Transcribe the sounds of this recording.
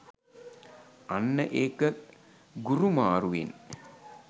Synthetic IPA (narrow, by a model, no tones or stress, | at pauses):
anːəʔeːkə | ɡuɾumaːɾuʋḛn